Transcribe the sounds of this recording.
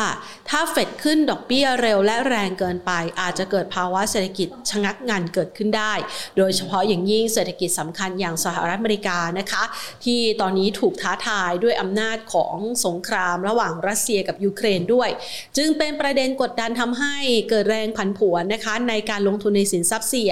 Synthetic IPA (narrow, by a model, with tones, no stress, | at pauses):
a˥˩ | t̪ʰaː˥˩fe˨˩t̪̚kʰɯ˥˩ndɔː˨˩k̚bi˥˩ɐɾe˧wlɛ˦˥ɾɛː˧ŋkɤː˧npa˧jʔaː˨˩t̪̚t͡ɕa˨˩kɤː˨˩t̪̚pʰaː˧wa˦˥ʔseː˨˩t̪ʰa˧ki˨˩t̪̚t͡ɕʰa˧ŋa˦˥k̚ŋa˧nkɤː˨˩t̪̚kʰɯ˥˩ndaː˥˩jdoː˧jt͡ɕʰa˧pʰɔ˦˥jaː˨˩ŋji˥˩ŋseː˨˩t̪ʰːa˧ki˨˩t̪̚sa˩˦mkʰa˧njaː˨˩ŋsa˧haː˨˩ɾt̪ʔ̚ameː˧ɾi˦˥kaː˧na˦˥kʰa˦˥t̪ʰiː˥˩t̪ɔː˧nːiː˦˥t̪ʰuː˨˩k̚t̪ʰaː˦˥t̪ʰaː˧jdu˥˩əjʔa˧mnaː˥˩t̪̚kʰɔ̰ː˩˦ŋso˨˩˦ŋkʰɾaː˧mɾa˧waː˨˩ŋɾa˦˥t̪̚si˧ɐka˨˩p̚juː˧kʰɾeː˧ndu˥˩əj | t͡ɕɯ˧ŋpe˧npɾa˧de˧nko˨˩t̪̚da˧nt̪ʰa˧mɦa˥˩jkɤː˨˩t̪̚ɾɛː˧ŋpʰa˨˩˦npʰu˩˦ənːa˦˥kʰa˦˥na˧jkaː˧nlo˧ŋt̪ʰu˧nːa˧jsi˩˦nsa˦˥p̚si˧˩